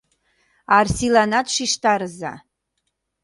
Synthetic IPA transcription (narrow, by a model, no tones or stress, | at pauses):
arsilanat̪ʂiʂt̪aɾɨza̰